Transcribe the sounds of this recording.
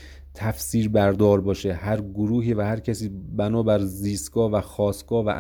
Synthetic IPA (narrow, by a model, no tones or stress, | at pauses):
t̪ʰæfsiːɾbæɾd̪ɒːɾbɒːʃehæɾɡoɾuːɦiːvæhæɾcʰæsiːbænɒːbæɾziːst̪ɡ̥ɒːvæxɒːsɡ̥ɒːvæ̰ʔ